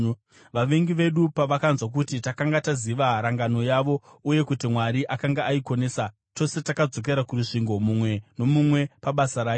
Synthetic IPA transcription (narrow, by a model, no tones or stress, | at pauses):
ʋaʋe̞ŋɡiʋe̞ɗupaʋakanzwak̬utitakaŋɡataziʋaɾaŋɡano̞jaʋo̞uje̞kutimwaɾiʔakaŋɡaaiko̞neːsa | to̞se̞takad͡zo̞k̬e̞ɾakuɾuʂiŋɡo̞mumwe̞no̞mumwe̞paɓasaɾaːjo